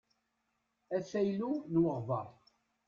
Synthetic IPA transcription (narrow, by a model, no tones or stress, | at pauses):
æsæjlunwəʁvəʁˤ